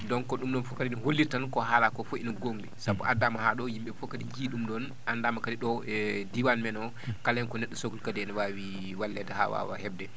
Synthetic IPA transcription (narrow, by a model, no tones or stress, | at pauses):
dɔnkɔɗumɗɔnfɔkadiniholːitankɔɦalakɔfoinɔɡoŋdɛsabuʔadamahaɗɔjimɓɛfɔkadijiɗumɗɔn | andamakadiɗɔdiwanmɛnɔ | kalɛnkɔnɛɗːɔsokulkadɛnɛwawi | walːɛdɛha̰wa̰wa̰hɛbdɛ